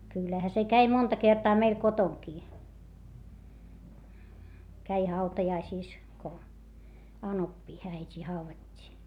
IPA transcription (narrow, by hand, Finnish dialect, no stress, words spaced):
kylːæhæ se kæi montɑ kertɑː meil kotoŋkiː kæi hɑutɑjɑisiˑs ko ɑnopːiː æitʲiː hɑuʋɑtʲːiː